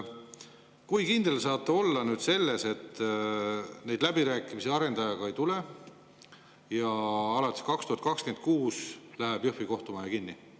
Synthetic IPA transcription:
kujkind̪̥e̞lsɑːt̪ˑːeo̞lːɑnyːd̪̥se̞lːe̞se̞t̪ː | ne̞jd̪̥læbiɾæːkˑimisiɑɾe̞nd̪ɑjɑɡ̥ɑe̞jt̪ule̞ | jɑɑlɑt̪ʲːˑi̥kɑkst̪uhɑt̪kɑkskent̪̚kuːslæɦæb̥jɤhfiko̞ht̪umɑjɑkinːi

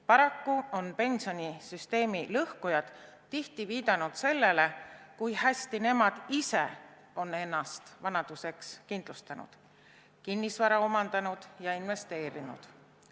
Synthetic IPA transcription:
pɑɾɑkːuo̞npe̞nʲsio̞nʲisyst̪e̞ːmilɤhkujɑd̪̥ | t̪ːiht̪iviːd̪̥ɑnud̪̥se̞lːe̞le̞kujhæsʲt̪ine̞mɑd̪̥ise | o̞ne̞nːɑst̪vɑnɑd̪̥use̞kskind̪̥lust̪ɑnṵd̪̥ | kinːisvɑɾɑo̞mɑnd̪̥ɑnud̪̥jɑinve̞st̪e̞ːɾinṵd̪̥

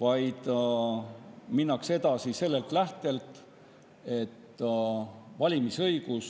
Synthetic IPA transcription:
vɑjd̪̥ | minːɑkse̞d̪̥ɑsise̞lːe̞lt̪læht̪e̞lt̪ˑ | e̞t̪ː | vɑlʲimisɤjɡ̥us

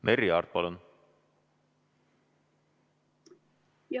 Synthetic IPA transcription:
meɾiɑ̰ːrd̪̚pɑlun

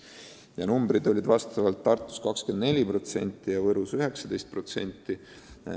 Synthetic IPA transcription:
jɑnumbɾid̪̥o̞lʲid̪vɑst̪ɑvɑlt̪ːɑrt̪ːˑu̥skɑkskend̪ne̞lʲipro̞t̪se̞̰nʲt̪ˑːijɑvɤɾusyɦe̞ksɑd̪̥e̞jst̪̚pro̞t̪se̞̰nʲt̪ːˑi

